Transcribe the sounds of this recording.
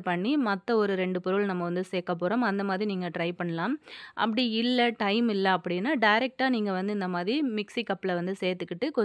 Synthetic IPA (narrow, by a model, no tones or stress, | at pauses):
pɐɳːimɐt̪ːɐɔɾɯɾɛɳɖɯpɔɾɯɭnɐmːɐʋɐnd̪ɯseːkːɐp̬ːoːɾɐmɐnd̪ɐmaːðɾiniːŋɡɐʈɾɐɪpɐɳːɐlãːmʔɐ̰pːɐɽiɪlːɐʈɐɪmɪlːɐɐpːɐɽɪnːaːɖɐɪɾɛk̚ʈaːniːŋɡɐʋɐnd̪ɯɪnd̪ɐmaːðɾimɪksikɐpːɪlɐʋɐnd̪ɯseːɾt̪ːɯkːɪʈːɯkɔ